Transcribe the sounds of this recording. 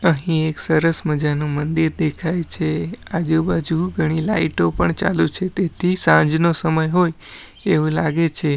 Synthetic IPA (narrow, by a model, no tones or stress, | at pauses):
əɦĩeksəɾəsməd͡ʒanũmənd̪iɾd̪ekʰajt͡ʃʰead͡ʒubad͡ʒuɡʱəɽ̃ila̰iʈopəɳt͡ʃa̰lut͡ʃʰet̪et̪ʰisãd͡ʒnosəməjɦoj | eʋũlaɡet͡ʃʰe